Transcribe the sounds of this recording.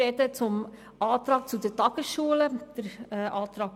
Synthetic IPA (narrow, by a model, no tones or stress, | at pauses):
ɛdət͡sʊm | ɑːt̪ɾɑːk̚t͡sudətɑːɡ̥əsʃuːələd̥əɾɛːʔɑːt̪ɾɑːk